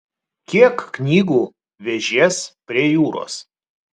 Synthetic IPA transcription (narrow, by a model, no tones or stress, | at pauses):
kʲiɛkːnʲiːɡuː | ʋʲɛʒʲeːspʲɾʲiɛjuːɾo̰ːs